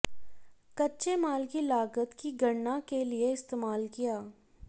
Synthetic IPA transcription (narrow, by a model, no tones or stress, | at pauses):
kɐtːʃemaːlkilaːɡət̪kiɡɐɽnakelieɪst̪eːmaːlkijaː